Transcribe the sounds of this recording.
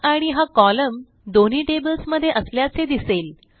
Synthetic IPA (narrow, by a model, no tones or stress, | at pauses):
aɽ̃iɦakɔləm | d̪on̤iːʈebəlsməd̪ʱːjeʔəsljat͡sed̪isel